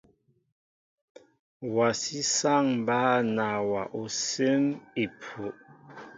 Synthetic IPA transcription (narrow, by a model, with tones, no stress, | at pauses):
wa˨si˦sa˦˨ŋm˨ba˦˨na˨wa˨ʔo˨se˦mi˨pʰu˨ʔ